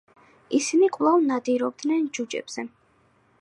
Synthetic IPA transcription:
isinikʼlˠavnad̪iɾɔb̚d̪nɛnd͡ʒud͡ʒʼɛ̰b̥z̥ɛ

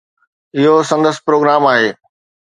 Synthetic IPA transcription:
ɪɦosɐ̃nd̪əsɪ̥̆pɾoːɡɾaːmaːɦeː

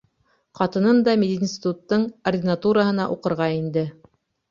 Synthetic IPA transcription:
qɑt̪ɤ̆nɤnd̪ɑmʲed̪ʲinʲsʲt̪ʲɪt̪ut̪ːɤɴɐrdʲɪnat̪uɾəɦɤ̆nɑʔuqɤ̆ɾʁɑind̪ɘ

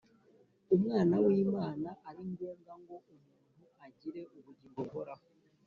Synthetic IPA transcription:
omwaːnawiːmaːnaʔːɾiɲɡeːŋɡaŋɡo̞ʔomuːnhuaɟiɾe̞ʔoβuɟiːŋɡoβoɾa

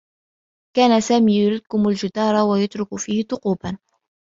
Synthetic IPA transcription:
kaːnasaːmiːjʊɾɪd̪̚kʊmald͡ʒɪd̪ɑːɾˤɑwajʊt̪ɾʊkfiːhɪt̪ʊquːban

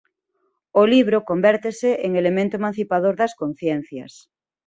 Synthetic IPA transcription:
oliβ̞ɾokombɛɾt̪eseʔeŋelemẽnt̪omãn̟θipaðoɾðaskõn̟θjen̟θja̰s

